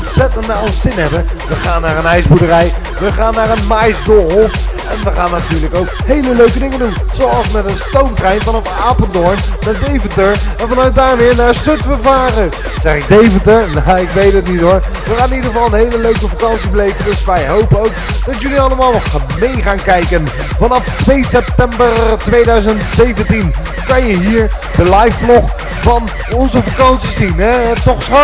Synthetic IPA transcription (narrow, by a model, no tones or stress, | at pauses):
nsɛtəndsɪnɦɛbəʋəχaːnːaːɹənɛjzbudəɾɛj | ʋəχaːnːaːɾənmajsdolˠf | ɛnʋəχaːnːatyːɹləkowkhejləløɥkədɪŋədun | z̥owɑlˠsmɛtənstowntrɛjnvɑnɔfaːpəndɔɹnnadejvətəɹɛnvɑnœɥt̚daːɹmɪːɹnaːɹstøtʋəvaːrə | z̥ɛχɪɡ̚dejvəntəɹnoɪkʋejtətnitoɹ | ʋəχaːnɪnidəʁəvɑlˠənɦejləløɥkəfakɑnsibəlejvəndəsʋɛjɦowpənowk | dɑtjɵliɑlˠəmaːlˠnɔχmejχaːnkɛjkən | vɑnɑftʋejsɛp̚tɛmbərtʋejdœɥzəntsejvəntin | kɑnjəɦiːɹ | dəlɑjflɔχ | fɑn | ɔnzəfakɑnsizinɦɛtɔχsχo